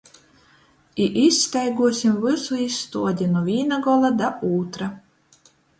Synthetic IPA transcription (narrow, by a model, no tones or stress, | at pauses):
iʔisʲːt̪ʲɛjɡuɔsʲimvɨsuisːt̪uɔd̪ʲinuvʲiːnaɡɔlˠad̪apuːt̪ɾa